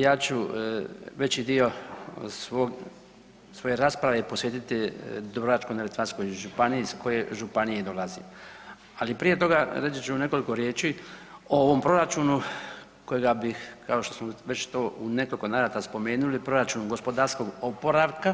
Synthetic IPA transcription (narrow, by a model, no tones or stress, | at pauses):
jaːt͡ɕu | ʋe̞t͡ɕid̪io̞sʋoɡ | sʋo̞je̞ɾaːspɾaʋe̞po̞sʋje̞ːt̪it̪id̪obɾoat͡ʃkoneet̪ʋansko̞jʒupanijiisko̞je̞ʒupanijed̪o̞lazḭ | alipɾije̞t̪o̞ɡaɾet͡ʃ̪it͡ʃuune̞ko̞liko̞ɾje̞ːt͡ʃiooʋo̞mpɾo̞ɾat͡ʃunu | ko̞jeɡabixkao̞ʃt̪o̞smoʋet͡ʃt̪o̞ːune̞koliko̞naɾat̪aspo̞me̞ːnulipɾo̞ɾat͡ʃuːnuɡo̞spo̞d̪aɾsko̞ɡopo̞ɾaʋka